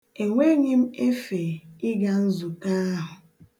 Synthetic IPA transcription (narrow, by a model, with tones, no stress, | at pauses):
e˨ŋʷe˦ɲi˦m̩˦e˦fe˨ɪ˦ɡa˨n̩˦zu˨ka˦ɦʊ˨